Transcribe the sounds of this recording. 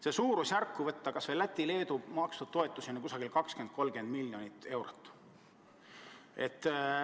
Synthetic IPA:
sesuːɾusjærkːuvɤt̪ːɑkɑsvelːæt̪ʲːile̞ːd̪umɑkst̪u̥t̪o̞et̪ːˑusinɑkusɑɡ̥ilkɑkske̞nd̪̥̚ko̞lmɡe̞nd̪milʲːjo̞nʲit̪ːˑe̞wɾot̪ːˑ | e̞̰t̪ːˑ

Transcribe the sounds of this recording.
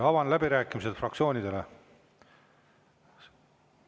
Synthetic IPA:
ɑvɑnlæbiɾæːkːˑimiset̪frɑk̚t̪sʲio̞ːnʲid̪̥e̞le

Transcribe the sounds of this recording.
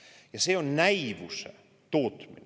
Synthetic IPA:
jɑseonnæiʋusḛ | t̪oːt̪min

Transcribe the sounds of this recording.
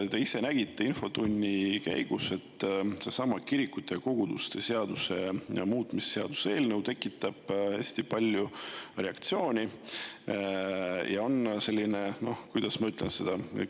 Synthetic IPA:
t̪e̞ise̞næɡ̥it̪ˑːe̞info̞t̪unʲːikæ̰jɡ̥use̞t̪ːˑse̞sɑmɑkiɾikːˑut̪ːˑeko̞ɡ̥ud̪̥ust̪e̞se̞ɑd̪̥use̞muːt̪ːˑmise̥seɑ̰d̪̥u̥see̞ːlnəwt̪e̞kːˑit̪ːˑɑb̥heːsʲt̪ipɑlʲjure̞ɑkt̪sio̞ːnʲi | jɑo̞nse̞lʲːine̞no̞hkujd̪̥ɑsmɑyt̪ˑlense̞d̪̥ɑ

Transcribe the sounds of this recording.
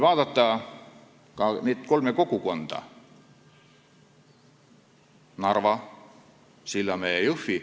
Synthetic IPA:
ʋɑːd̪ɑt̪ːɑ | kɑneːt̪kolmekokukond̪̥ɑ̰ | nɑrʋɑ | silːɑmejufːi

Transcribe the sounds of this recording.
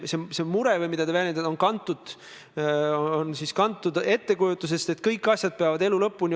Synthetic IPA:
sese̞muɾe̞vɯjmid̪̥ɑt̪evæjlʲened̪onkɑnt̪ːˑud̪̥ | onsiskɑnt̪ːˑud̪e̞t̪ːe̞kujut̪ːˑus̬e̞st̪e̞t̪kɤjkːˑɑsʲjɑd̪̥̚pe̞ɑvɑd̪e̞lulɤpːunʲi

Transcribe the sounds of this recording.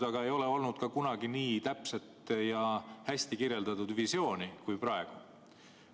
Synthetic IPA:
d̪ɑɡ̥ɑe̞jo̞le̞o̞lnud̪̥kɑkunɑɡ̥iniːt̪æpse̞t̪ˑjɑhæsʲt̪ikirje̞ld̪ɑt̪ˑud̪̥visjo̞ːnikujprɑe̞ɡ̥u

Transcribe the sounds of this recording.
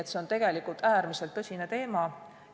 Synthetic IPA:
et̪se̞o̞nt̪e̞ɡ̥e̞likult̪æːɾmise̞lt̪ːɤsʲinet̪e̞ːmɑ

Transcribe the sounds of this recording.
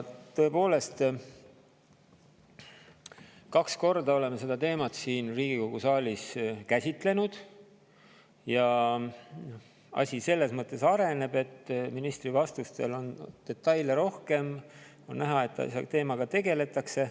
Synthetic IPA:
t̪ø̞e̞po̞ːle̞st̪ | kɑksko̞rd̪ɑo̞le̞mese̞d̪̥ɑt̪e̞ːmɑt̪siːnriːɡ̥iko̞ɡ̥usɑːlʲiskæsʲit̪ˑle̞nud̪̥ | jɑ | ɑ̰sʲise̞lːe̞smɤt̪ːˑe̞sɑɾe̞ne̞be̞t̪ːminist̪rivɑst̪ust̪e̞̰lo̞nd̪̥e̞t̪ːˑɑjleɾo̞hke̞m | o̞nnæɦɑe̞t̪ˑːɑ̰st̪e̞ːmɑɡ̥ɑt̪e̞ɡe̞le̞t̪ːˑɑkse̞

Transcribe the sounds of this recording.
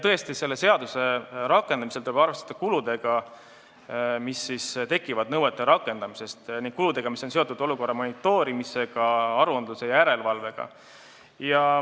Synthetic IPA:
t̪ɤ̞e̞st̪ise̞lːe̞se̞ɑd̪use̞ɾɑkːˑe̞nd̪ɑmise̞lt̪ulebɑrve̞st̪ɑd̪̥ɑkulud̪̥e̞ɡ̥ɑ | misːist̪e̞kːˑivɑd̪nɤwet̪ːˑe̞ɾɑkːˑe̞nd̪̥ɑmise̞st̪niŋɡ̥̚kulud̪̥e̞ɡ̥ɑmisonse̞o̞t̪ːˑud̪o̞luko̞rːɑmo̞nit̪ːˑo̞ːɾimise̞ɡ̥ɑɑɾuɑnd̪luse̞jɑjæɾe̞lvɑlve̞ɡ̥ɑ̰ | jɑ

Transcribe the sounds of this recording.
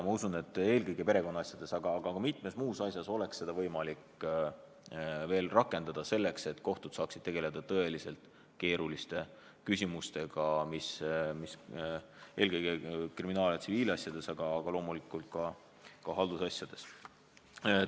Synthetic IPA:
mɑusune̞t̪ːˑe̞ːlkɤjɡ̥epe̞ɾe̞ko̞nːɑɑsʲjɑd̪̥e̞sɑɡ̥ɑːɡ̥ɑkɑmit̪ːˑme̞smuːsɑsjɑso̞le̞kse̞d̪ɑvɤjmɑlik | ve̞ːlrɑkːˑe̞nd̪ɑd̪̥ɑse̞lːe̞kse̞t̪ko̞ht̪ud̪̥sɑːksid̪̥t̪e̞ɡ̥e̞le̞d̪̥ɑt̪ɤ̞e̞lise̞lt̪ˑ | ke̞ːɾulist̪e̞ | kysʲimust̪e̞ɡ̥ɑmismis | e̞ːlkɤjɡ̥ekriminɑːljɑt̪siviːlɑsjɑd̪̥e̞sɑɡ̥ɑːɡ̥ɑlo̞ːmulikːˑult̪̚kɑ | kɑɦɑld̪̥usɑsjɑd̪̥e̞s

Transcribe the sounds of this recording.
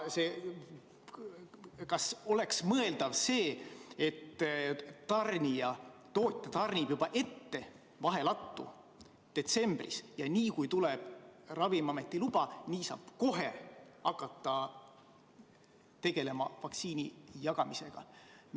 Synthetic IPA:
seː | kɑso̞leksmɤ̞e̞ld̪̥ɑvse̞ːet̪ː | ɑrnʲijɑt̪o̞ːt̪ʲːɑt̪ɑrnʲib̥jub̥ɑʔe̞t̪ːe̞ | vɑɦe̞lɑt̪ːṵ | d̪̥e̞t̪se̞mb̥rḭsjɑniːkujt̪uleb̥rɑvimɑme̞t̪ˑːilub̥ɑniːsɑ̰ːb̥ko̞ɦe̞ɑkːˑɑt̪ːˑɑ | t̪e̞ɡ̥e̞le̞mɑvɑk̪siːnijɑɡ̥ɑmise̞ɡ̥ɑ̰

